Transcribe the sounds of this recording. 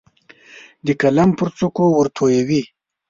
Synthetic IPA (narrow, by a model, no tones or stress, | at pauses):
d̪əkalampəɾt͡sukowəɾt̪ʰojawi